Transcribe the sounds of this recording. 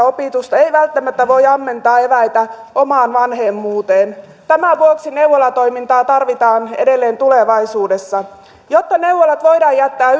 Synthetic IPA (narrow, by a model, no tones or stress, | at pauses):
opit̪ust̪ɑeijʋælt̪ːæmæt̪ːæʋo̞jɑmːe̞nt̪ɑːeʋæjt̪æ | ʔomɑːnʋɑnhemːuːt̪eːn | t̪æmæʋuoksineuʋolɑt̪o̞imint̪ɑːt̪ɑrʋit̪ɑːnḛdelːeːnt̪uleʋɑisuːdesːɑ | jot̪ːɑnewʋːolɑt̪ʋo̞idɑːjæt̪ːæː